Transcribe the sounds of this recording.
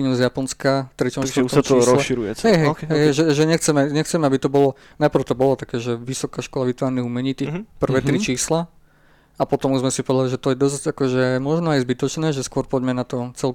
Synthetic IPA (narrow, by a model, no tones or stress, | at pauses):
iɲuzjapɔnskat̪ɾit͡ʃɔsɔɔɾɔʃiɾujɛ̰ɦɛjɦɛjɦɛjɦɛʒɛʒɛɲɛxt͡sɛmɛɲɛxt͡sɛmɛabit̪ɔbɔlɔ | napr̩ʊt̪ɔbɔlɔt̪akɛːʒɛʋisɔkaʃkɔlaʋit̪ʋaːɾniɦumɛɲiːt̪ipr̩ʋɛːt̪ɾit͡ʃiːsla | apɔt̪ɔmuzmɛsipɔʋɛd̪aliʒɛt̪ɔjɛd̪ɔsakɔʒɛmɔʒnɔajzbit̪ɔt͡ʃnɛːʒɛskʊɔɾpɔɟmɛnat̪ɔt͡sɛl